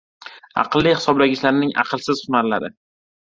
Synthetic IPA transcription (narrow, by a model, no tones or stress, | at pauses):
ɑ̰qlˠːijχɪsɒblaɡʲɪʃlaɾnɪŋʔɑ̰qʰɨlˠsɪz̥χʊnaɾla̰ɾɪ̰